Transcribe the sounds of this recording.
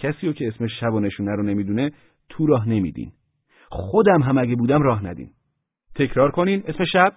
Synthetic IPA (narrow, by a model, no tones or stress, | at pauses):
cʰæsiːɾoːcʰeesmeʃæbɔːne̞ʃuːnæɾone̞miːd̪uːne̞ | t̪ʰuɾɒːɦne̞mḭːd̪ḭːn | xod̪æmɦæmæɟebuːd̪æmrɒːɦnæd̪ḭːn | t̪ʰe̞cʰɾɒːɾkʰo̞niːne̞smeʃæb̥